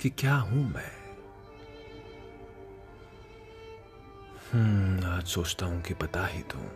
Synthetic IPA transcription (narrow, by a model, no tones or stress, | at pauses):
kikjaːɦũmɛ̃ | hũaːd͡ʒsoːt͡ʃt̪aːɦũkipɐt̪aɦit̪ʰṵ̃